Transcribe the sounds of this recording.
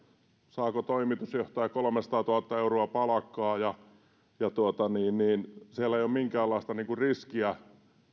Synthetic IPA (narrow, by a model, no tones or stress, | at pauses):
sɑːkot̪oimit̪usjoht̪ɑjɑkolŏmesɑt̪ɑːt̪uhɑt̪ːɑeuroɑpɑlɑkːˑɑːjɑ | jɑt̪uot̪ɑniːnniːnsiælːæeijomiŋkæːlːɑist̪ɑniːŋkurriskiæ